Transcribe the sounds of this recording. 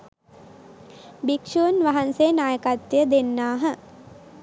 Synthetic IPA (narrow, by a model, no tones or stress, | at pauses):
bikʂuʋnʋaɦanseːnaːjəkat̪ːijəd̪enːaːɦə